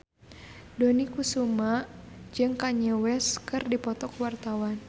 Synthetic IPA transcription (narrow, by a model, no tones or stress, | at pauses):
donikusumaʔd͡ʒɨŋkaɲɛwɛskɨrdipɔt̪ɔkwart̪awan